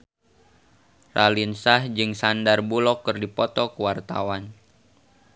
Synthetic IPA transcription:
rʔalinsahd͡ʒɨŋsandarbulɔkːərdipɔt̪ɔkəwart̪a̰wan

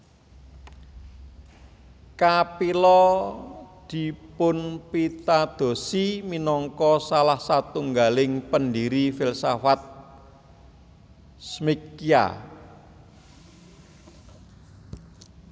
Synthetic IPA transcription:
kapilɔ | d̪̥i̤pʊnpit̪ad̪̥o̤siminɔŋkɔsalahsat̪uŋɡalɪŋpəndiɾifilsafat̪̚ | smikija̰

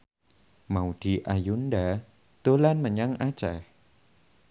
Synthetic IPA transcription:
mawtiʔajundɛ | t̪ulanmaɲaŋʔat͡ɕɛ

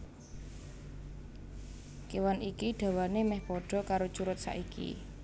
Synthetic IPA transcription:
kewanikiɖ̥a̤wanemɛhpɔɖ̥ɔ̤kaɾot͡ʃuɾʊt̪̚sa̰ʔikḭ

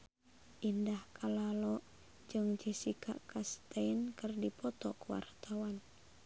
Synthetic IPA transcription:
ʔindahkʰalalɔʔ | d͡ʒɨŋd͡ʒɛsikʰa̰kast̪ainkɨrdipɔt̪ɔkuwa̰rt̪awan

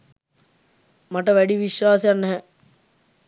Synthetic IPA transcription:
maʈəʋæɖiʋiʃʋaːsejanːɛɦɛ

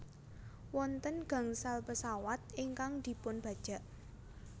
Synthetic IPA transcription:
wɔnt̪ənɡ̥ä̤ŋsalpəsawat̪̚iŋkaŋd̪̥i̤pʊnb̥ä̤d̥ʒ̥a̤ʔ

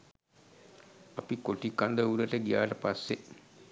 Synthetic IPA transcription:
apikoʈikːand̪əuɾəʈəɡija̰ːʈəpasːe

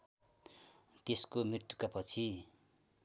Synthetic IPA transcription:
t̪eskomrirt̪jukapʌt͡sʰi

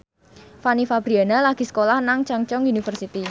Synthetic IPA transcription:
fanifab̥ɾianalaɡ̥i̤sə̥kolahnaŋt͡ʃaŋt͡ʃɔŋunifərsit̪i

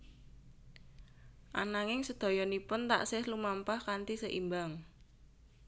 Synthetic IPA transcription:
ʔa̰naŋɪŋsəd̪̥ɔ̤jɔnipʊnt̪a̰ʔsɪhlumampahkant̪isəʔimbaŋ

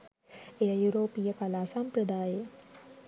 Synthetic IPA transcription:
ejəjuɾoːpijəkalaːsampɾəd̪aːje

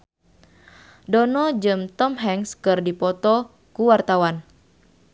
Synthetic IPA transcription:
dɔnɔd͡ʒɨmt̪ɔmɦɛŋskɨrdipɔt̪ɔ | kuwart̪awan

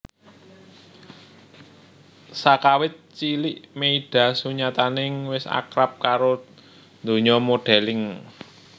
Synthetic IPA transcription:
sakawɪt̪̚t͡ʃilɪʔmeiɖ̥a̤suɲat̪anɪŋwɪsa̰kɾap̚kaɾo | nd̪o̤ɲɔmoɖ̥ɛ̤lɪŋ

